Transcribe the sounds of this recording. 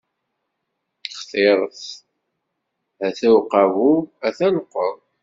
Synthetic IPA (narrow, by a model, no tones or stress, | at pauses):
χθeɾˤəθ | æθæwqɑvuæθænəqːɔɾˤ